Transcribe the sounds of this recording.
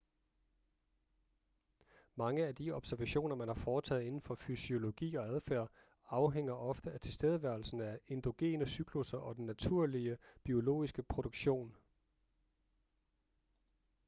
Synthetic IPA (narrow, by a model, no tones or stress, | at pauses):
mɑ̈ŋəæd̥iɒ̽b̥sæɐʋæɕo̝̰ːnɐmænhɑ̈fɒːt͡sʰɛ̰ːðˠe̝nn̩fɒ̽fysio̝lo̝ɡ̥ḭːɒ̽æðˠfæɐ̰ | ɑ̈ʊɦeŋ̰ɐʔɒ̽fd̥əæt͡sʰe̝lsd̥eːð̞ˠəʋæɐl̩sn̩æe̝nd̥o̝ɡ̥e̝̰ːnəsyɡ̥ʰlusɐʔɒ̽d̥enːæt͡sʰuɐ̰liəb̥io̝lo̝̰ːisɡ̥əpʰʁo̝ɾ̥oɡ̥ɕo̝̰ːn